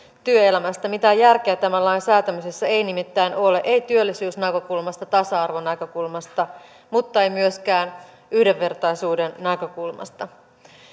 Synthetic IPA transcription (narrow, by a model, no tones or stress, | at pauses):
t̪yøelæmæst̪æmit̪æjærk̟eæt̪æmælːɑjnsæːt̪æmysesːæe̞jnimit̪ːæːno̞leʔeijt̪yølːisyːsnækø̞kulmɑst̪ɑt̪ɑsɑɑrʋo̞nækø̞kulmɑst̪ɑ | mut̪ːɑe̞jmyøsk̟æːn | yhdeʋːe̞rt̪ɑjsuːdenːækø̞kulmɑ̰st̪ɑ